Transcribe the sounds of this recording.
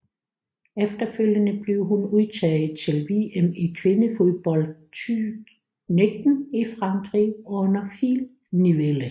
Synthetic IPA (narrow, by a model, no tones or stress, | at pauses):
efd̥ɐføl̰jənəb̥le̝ʊɦunuðˠt͡sʰɛ̰ːð̩ˠt͡sʰe̝lʋe̝ːemikʰʋe̝nəfo̝ðˠb̥ɒ̽ld̥ | t͡sy̥ | ned̥n̩ifʁɑ̈ŋɡ̥ʁiɔ̽nɐfil | niʋelə